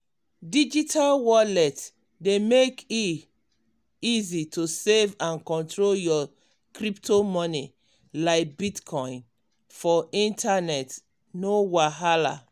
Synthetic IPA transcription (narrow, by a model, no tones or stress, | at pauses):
did͡ʒitʰalwɔlɛt | demeki | izitʰusevãnkɔ̃ntɹoljɔ | kɾiptʰomɔni | laɪk̚bitkʰɔ̃ɪ̃n | fɔĩntʰanɛt | nowaɦala̰